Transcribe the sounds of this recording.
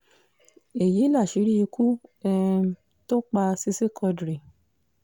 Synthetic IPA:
e˨ji˨˦la˦˨ʃi˨˧˦ɾi˦i˧kʰu˦ɛ˧˦ | to˦k͡pa˧si˧si˦kʰɔ˧dɾi˨

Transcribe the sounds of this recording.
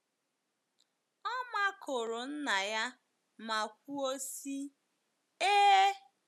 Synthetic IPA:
ɔ˦ma˦kʰo˨ɾo˨n̩˦na˨ja˦ | ma˨kʷu˦o˦si˦ | eː˦

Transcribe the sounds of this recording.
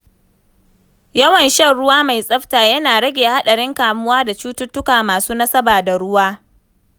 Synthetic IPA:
jɐ˦wɐ˨nʃɐ˦˨ɽʊ˦waː˦ma˨jsʼɐ˦ɸtaː˨jɐ˦naː˨ɽɐ˦ɡʲeː˨ha˦ɗɐ˨ɽɪ˦ŋkaː˨mʊ˦waː˦da˨t͡ʃuː˦tʊ˦tːʊ˦kaː˨maː˨suː˦na˦sɐ˦baː˨da˨ɽʊ˦waː˦

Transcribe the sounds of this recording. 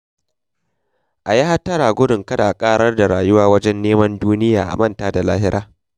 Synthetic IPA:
ʔa˨ja˦ha˦tːɐ˦ɽaː˨ɡʷʊ˦dʊ˨ŋkɐ˦da˨kʼaː˦ɾɐ˦rda˨ɽaː˨jʊ˦waː˦wɐ˦d͡ʒɛ˦nːeː˦mɐ˦nduː˦nɪ˦jaː˨ʔa̰˨mɐ˦˨ntaː˦da˨laː˦hɪ˦ɾaː˦

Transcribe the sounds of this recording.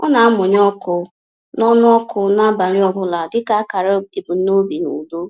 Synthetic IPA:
ɔ̰˦na˨a˦mʊ˨ɲ˦ɔ˦kʊ˨ | nɔ˦nʊ˦ɔ˦kʊ˨na˦ba˨ɾɪ˦ɔ˦bʊ˦la˨dɪ˦ka˦ka˨ɾa˦i˨ɡu˨n̩˦no˦bi˨nṵ˨do˦

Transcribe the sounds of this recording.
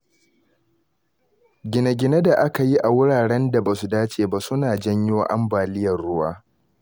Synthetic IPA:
ɡʲɪ˨na˨ɡʲɪ˨na˦da˨ʔa˦ka˨ji˦ʔa˨wʊ˦ɽaː˨ɽɛ˦nda˨ba˨su˨daː˦t͡ʃeː˨ba˦sʊ˦naː˨d͡ʒɐ˦ɲjoː˦ʔa̰˦mbaː˨lɪ˦jɐ˨rɽʊ˦waː˦

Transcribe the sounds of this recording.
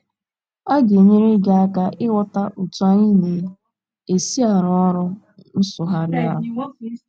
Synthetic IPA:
a˦ɡe˨ɲe˦ɾɪ˦ɡa˨a˦ka˦ʔɪ˦wɔ˦ta˦ʔu˨tu˦a˦ɲi˦ne˨˦ | e˨si˦a˨ɾɔ˨˦ɔ˦ɾɔ˦ | n̩˦sʊ˨ɦa˨ɾɪ˦a˦ɦʊ˨

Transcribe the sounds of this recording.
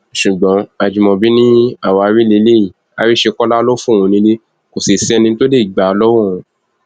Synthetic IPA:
ʃu˨ɡ͡bɔ̃˨˦a˨d͡ʒĩ˨mɔ̃˨˧bi˦nĩ˦a˦˨wa˧˨a˧ɾi˦le˧˦le˦ji˦˨ | a˨˦ɾi˦ʃe˧kɔ˦la˦lo˦fũ˦˨ũ˧nĩ˧˦le˦ | ko˨si˨sɛ˧nĩ˧˦to˦de˦˨i˨ɡ͡ba˨ɔ˧lɔ˦wũ˦˧˨

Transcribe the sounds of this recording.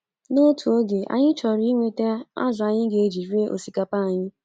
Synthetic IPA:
no˦tʰu˨o˦ɡe˨a̰˨ɲɪ˦t͡ʃɔ˨ɾi˦i˦ŋʷe˨te˦a̰˦zʊ˨a˨ɲɪ˦ɡe˨e˨d͡ʒi˨ɾi˦e˦ʔo̰˨si˨ka˨pa˦˨ɲɪ˦

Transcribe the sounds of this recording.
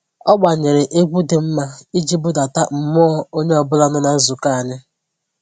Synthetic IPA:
ɔ˦ɡ͡ba˨ɲe˨ɾɪ˨ʔe˦ɡʷu˦de˨m̩˦ma˦i˦d͡ʒi˦bʊ˦da˨ta˦m̩˨mɔ˦o˦ɲe˦ɔ˨bʊ˦la˦nʊ˦na˨˦zu˨ka˦a˨ɲɪ˦

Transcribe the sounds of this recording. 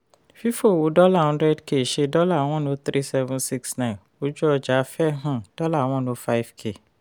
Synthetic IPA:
fi˦fo˦˨wo˨˦dɔ˦la˦˨ɔ̃˨˦ɾɛ˦dke˨ʃe˧dɔ˦la˦˨˦w̃ɔ̃˦nõ˧˦t̪ɾi˦sɛ˧vũ˦si˦ksnã˦˨n | o˦d͡ʒu˦ɔ˧d͡ʒa˨˦fɛ˦ɦã˦˨d̥ɔ˦la˦˨w̃ɔ̃˦nõ˧˦fa˦i˦fkʰe˦˨

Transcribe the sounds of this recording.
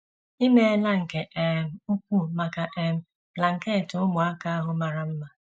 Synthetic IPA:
i˦me˦la˦ŋ̩˨ke˨ʔe˨m̩˨u˦k̚ʷu˦ma˨ka˨ʔe˦m̩˨ | la˨ŋ̩˨ke˦˨tʊ˨ʊ˦mʊ˨a˦ka˦a˦ɦʊ˨ma˨ɾa˨m̩˦ma˦˨

